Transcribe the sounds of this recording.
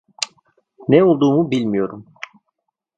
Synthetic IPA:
nɛolˠd̪uːmubilʲmijo̞ɾum

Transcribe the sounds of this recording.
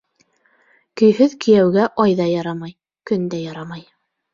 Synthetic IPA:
kɵ̆jɦɵðkĭjæwɡæʔɑjðɑjɑɾɑmɑj | kɵ̆nd̪æjɑɾɑmɑj

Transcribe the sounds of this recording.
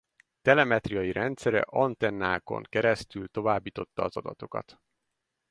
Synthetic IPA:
t̪ɛlɛmɛt̪rijɒjiɾʔɛnt̪sɛɾɛ̰ʔɒnt̪ɛnːaːko̞̰ŋkɛɾɛst̪ylt̪o̞vaːbːiːt̪o̞t̪ːɒːzɒd̪ɒt̪o̞kɒ̰t̪

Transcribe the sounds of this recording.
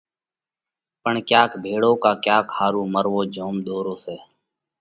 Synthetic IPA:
pəɳkjaːkbʱeːɽõːkaːkjaːkhaːɾuːməɾʋoːd͡ʒʱoːmd̪oːɾõːseː

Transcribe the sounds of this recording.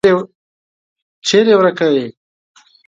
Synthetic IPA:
e | t͡ʃeɾewɾakawe

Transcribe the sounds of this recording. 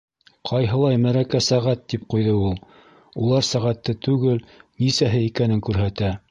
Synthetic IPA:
qʰɑjɦɤ̆lˠɑjmæɾækæsæʁæt̪ːipqujðɤulˠ | ulˠɑɾsæʁæt̪ːɘt̪ʉɡɘlnisæɦɘikænɘŋkʉɾɦæt̪æ

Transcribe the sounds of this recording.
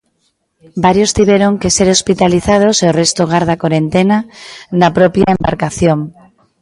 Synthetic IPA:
baɾjost̪iβjeɾoŋkeseɾospit̪aliθað̞oseorest̪oɣ̞aɾðakoɾẽnt̪enanapɾopjaemba̰ɾkaθjoŋ

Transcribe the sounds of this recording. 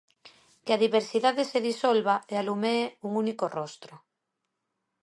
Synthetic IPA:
keaðiβeɾsiðaðeseðisolβaealumeːuŋunikorost̪ɾo

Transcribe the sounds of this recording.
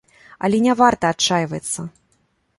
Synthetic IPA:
ɐ̰lʲɛnʲavart̪ɐːt͡ʂajvɐt̪sːɐ

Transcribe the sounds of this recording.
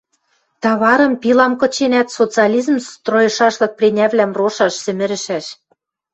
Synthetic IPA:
t̪ɑβɑɾɤ̆mpilˠɑmkɤ̆t͡ɕenæt̪sot͡sɨɑlʲizmst̪rojɤ̆ʃɑʃlɤ̆k̚prʲenʲæβlæmroʃɑʃsɘ̆mɘ̆ɾɘ̆ʃæʃ

